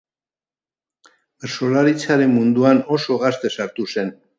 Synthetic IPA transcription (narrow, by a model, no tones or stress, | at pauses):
beɾso̞laɾit͡saɾe̞nmund̪uano̞so̞ɣast̪e̞saɾt̪use̞n